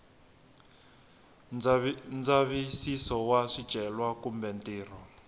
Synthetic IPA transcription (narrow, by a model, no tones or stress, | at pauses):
nd͡zaβisisɔwaʂid̥ʒ̥ʱɛlwakumbɛntiːr̤ɔ